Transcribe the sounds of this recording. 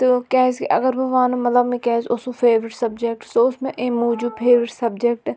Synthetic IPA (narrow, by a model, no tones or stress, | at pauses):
t̪okɛːzkʔɐɡəɾbʱɐʋaːnõmɐt̪ləbmẽkɛːzosupʰeːʋɾɪʈsɐbd͡ʒek̚ʈt̪oʊsmẽʔeːmuːd͡ʒupʰeːʋɪʈsɐbd͡ʒek̚ʈ